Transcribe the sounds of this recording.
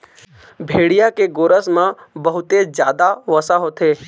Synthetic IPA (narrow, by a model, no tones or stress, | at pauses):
bʱeːɽijakeɡoːɾəsmãbəɦʊt̪ed͡ʒjaːd̪aʋəsaɦot̪eː